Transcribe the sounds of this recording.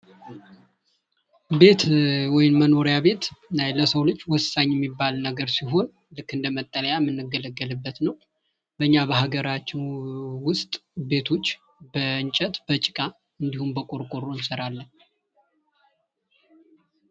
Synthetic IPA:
be̞t̪wɔjɪmməno̞ɾjaβe̞t̪najləsəwlɨt͡ʃːwɔsaɲːjɛmːibːalnəɡəɾsiɦo̞n | lɨkːɨnd̪əmət̪ʼːələjamːɨnːɨɡələɡːəlɨbːət̪nəw | bəɨɲːabəɦaɡəɾat͡ʃːɪnwʊst̪ʼbe̞t̪ʰo̞t͡ʃː | bəɨɲt͡ʃʼət̪bət͡ʃʼɪkʼa | ɨnd̪ihumbəkʼoɾkʼoɾonsəɾalːən

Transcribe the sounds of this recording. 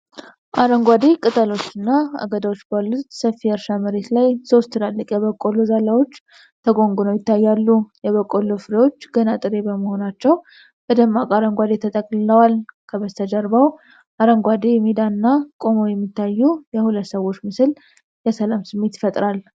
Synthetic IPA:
ʔaɾəŋɡʷad̪ekʼɨt̪ʼəlo̞t͡ʃːɨnːaa̰ɡəd̪awot͡ʃːbalːut̪səfːiəɾʃaməɾe̞t̪lajso̞st̪ʰːɨɾalːəkʼjɛβəkʼːolozalawo̞t͡ʃː | t̪ʰəɡo̞ŋɡunəwjɪt̪ʰːajːalːujɛβəkʼːolofɨɾewo̞t͡ʃːɡənat̪ʼɨɾe̞bəməho̞nat͡ʃːɛw | bəd̪əmːakʼaɾəŋɡʷad̪et̪ʰət̪ʼəkʼlɨləwalkʰəβəst̪ʰəd͡ʒəɾbaw | ʔaɾəŋɡʷad̪ejɛmid̪aɨnːakʼo̞mojɛmːit̪ːajːujɛhulət̪ːsəwo̞t͡ʃːmɨsɨl | jɛsəlamsɨmːe̞t̪ɪ̥fət̪ʼɾal

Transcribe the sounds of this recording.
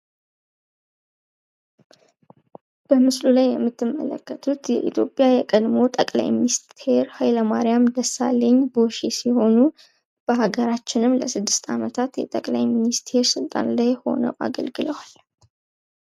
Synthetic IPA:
b̥əmɨslulajːɛmːɨt̪ʰːɨmːə̰lə̰kːət̪ʰut̪jɛ̰ʔit̪ʰjo̞pʼjajɛkʼəd̪mo̞t̪ʼəkʼla̰jminist̪ʰe̞ɾhajləmaɾijamd̪əsːa̰lːəɲːboʃesiho̞nu | b̥əhaɡəɾat͡ʃːɪnɨmləsɨd̪ːɨst̪ʰamət̪ʰat̪jɛt̪ʼəkʼlajminist̪ʰe̞ɾsɨlt̪ʼa̰nlajho̞̰nə̰wʔa̰ɡə̰lɡɨləwal

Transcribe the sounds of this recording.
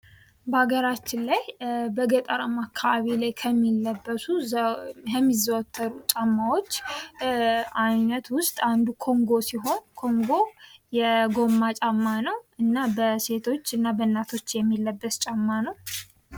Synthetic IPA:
bəaɡəɾat͡ʃːɪnlajbəɡət̪ʼəɾəmakʰːaβaβilajkʰəmːilːəbːəsu | jɛmːizəwɔt̪ʰːəɾut͡ʃʼamːawo̞t͡ʃː | ajnət̪wʊst̪ʼand̪ukʰo̞ŋɡo̞siɦo̞nkʰo̞ŋɡo̞jɛɡo̞mːat͡ʃʼamːanəwɨnːabəse̞t̪ʰo̞t͡ʃːɨnːabənːat̪ʰo̞t͡ʃːjɛmːilːəbːəst͡ʃʼamːanəw

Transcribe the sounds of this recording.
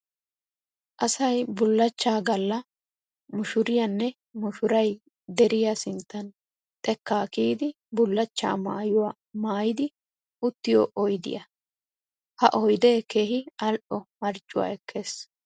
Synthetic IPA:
ʔɐsɐjbʊlːɐt͡ʃːaːɡɐlːɐ | mʊʃʊɾɪjɐnːɛ | mʊʃʊɾɐj | d̪ɛɾɪjasɪnt̪ːɐn | t̪ʼɛkːaːkiːd̪ɪ | bʊlːɐt͡ʃːa̰ːmaːjʊwa | maːjɪd̪ɪ | ʔʊt̪ːɪjo̰ːʔɔjd̪ɪ̰jɐ | hɐʔɔjd̪e̞ːke̞ːhɪɐlʔɔmɐɾt͡ʃʼːʊwa̰ɛkʰːe̞ːs

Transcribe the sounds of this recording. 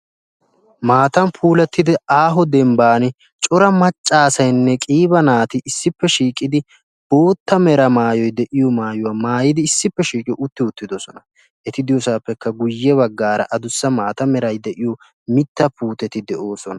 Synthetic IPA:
maːt̪ɐnpʰuːlɛt̪ːɪd̪ɪaːɦɔd̪ɛmbaːnɪ | t͡ʃʼɔɾɐmɐt͡ʃʼːaːsɐjnːɛkʼiːbɐnaːt̪ɪʔɪsːɪpːɛʃiːkʼːɪd̪ɪ | boːt̪ːɐmɛɾɐmaːjɔjd̪ɛʔɪjɔmaːjʊwaːmaːjɪd̪ɪːsːɪpːɛʃiːkʼɪjɔʔʊt̪ːɪʊt̪ːɪd̪ɔsɔnɐ | ʔɛt̪ɪd̪ɪjɔsaːpːɛkːɐɡʊjːɛβɐɡːaːɾɐ̰ʔɐd̪ʊsːɐmaːt̪ɐmɛɾɐjd̪ɛʔɪjɔ | mɪt̪ːɐpuːt̪ɛt̪ɪd̪ɛʔoːsɔnɐ

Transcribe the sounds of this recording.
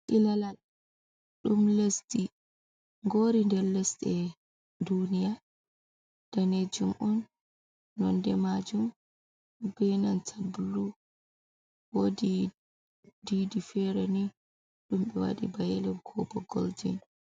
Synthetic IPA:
ʔilalal | ɗumlesti | ŋɡoɾindɛɾlestɛ | dunija | d̥aned͡ʒumʔɔnː | ɔndɛmad͡ʒum | bɛnantʰabulu | wodi | didifɛɾeni | ɗumɓɛwa̰ɗḭbajɛlɛmkʰɔbɔɡɔ̰ld͡ʒḭn

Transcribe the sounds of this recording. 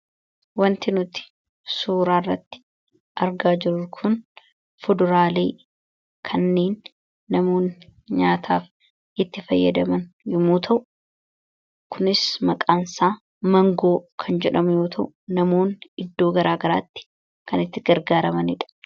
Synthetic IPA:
wɐnt̪ɪnʊt̪ɪ̥ | suːɾaːrːɐt̪ːɪ̥ | ʔɐɾɡaːd͡ʒɪɾʊkʰʊn | fʊd̪ʊɾaːleː | kʰɐnːeːnː | ɐmo̞ːnɲaːt̪ʰa̰ːf | ɪt̪ːɪfɐjːɐd̪ɐmɐnjʊmuːt̪ʰɐʔʊ | kʰʊnɪsmɐkʼaːnsaː | mɐŋɡo̞ːkʰɐnd͡ʒɛᶑɐmʊjo̞ːt̪ʰɐʔʊnɐmo̞ːnɪd̪ːo̞ːɡɐɾaːɡɐɾa̰ːt̪ːɪ̥ | kɐnɪt̪ːɪɡɐɾɡaːɾɐmɐnɪᶑɐ̥

